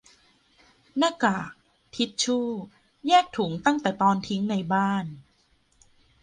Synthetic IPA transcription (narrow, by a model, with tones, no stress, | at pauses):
na˥˩kaː˨˩k̚ | t̪ʰi˦˥t̪̚t͡ɕʰuː˥˩ | jɛː˥˩k̚t̪ʰu˩˦ŋt̪a˥˩ŋt̪ɛː˨˩t̪ɔː˧nt̪ʰi˦˥ŋna˧jbaː˥˩n